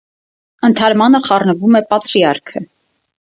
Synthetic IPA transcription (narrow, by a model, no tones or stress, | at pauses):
ənt̪ʰɑɾmɑnəχɑrnəvumɛpɑt̪ɾiɑɾkʰə